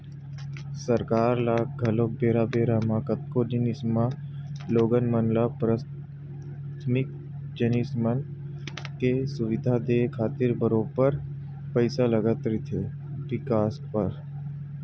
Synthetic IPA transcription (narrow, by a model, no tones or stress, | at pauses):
səɾkaːɾlaːɡʱɐloːk̚beːɾabeːɾamaːkət̪̚koninɪsmaloːɡənmənlapɾaː | t̪ʰmɪk̚ | d͡ʒənɪsmən | kesʊʋɪd̪ʱad̪eːkʰaːt̪ɪɾbəɾoːpəɾ | pəɪsaləɡat̪ɾit̪ʰeː | ʋɪkaːspəɾ